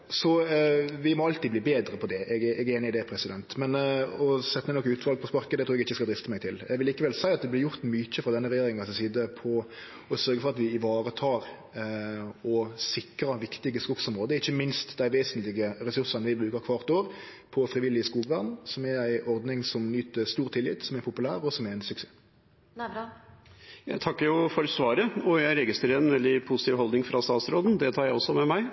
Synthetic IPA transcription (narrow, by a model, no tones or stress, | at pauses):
sɔʋɪmɔɑlt̪id̪bliːbeːd̪ɾəpʰɔd̪ɛʔɛɡɛʔɛɡeːnɪɪd̪ɛpʰɾɛsɪd̪ɛnt̪mɛnɔsɛt̪ːəɛnɔkːəʉːt̪ʋɑlɡ̚pʰɔspɑɾkəd̪ɛt̪ʰɾuːɾɛɡɪçːəskɑld̪ɾɪft̪əmɛɪɡ̚t̪ʰɪljɛ̰ɡʋɪliːkəʋɛlsæɪɑt̪d̪ɛblɪɾjʊɾt̪myc͡çəfɾɑd̪ɛnːəɾɛjeːɾɪŋnɑsɛsiːd̪əpʰɔ | ɔsœɾɡəfɔɾɑt̪ʋɪɪʋɑːɾət̪ʰɑːɾ | ɔsɪkɾɑʋɪkt̪ɪɡəskʊɡsɔmɾoːd̪əɪçːəmɪnst̪d̪æɪʋeːsənt̪lɪɡəɾɛsʉsɑnəʋɪbɾʉːkəɾkʰʋɑʁt̪oːɾ | pʰɔfɾɪʋɪlːɪskuːɡʋæʁnsɔmɛɾæɪɔɾd̪nɪŋsɔmnyːt̪əst̪uːɾt̪ʰɪlɪ̰t̪sɔmɛɾpʰʊpʉlæːɾɔsɔmɛɛɪnsʉkseː | jæt̪ʰɑkːjʊfɔɾsʋɑːɾəɔjæɪɾɛɡɪst̪ɾəɾəɛnʋɛld̪ɪpʰʊsɪ̥t̪iːʋɦɔld̪nɪŋfɾɑst̪ɑːt̪sɾoːd̪n̩d̪ɛt̪ʰɑːɾjæɪɔsːɔmɛmæɪ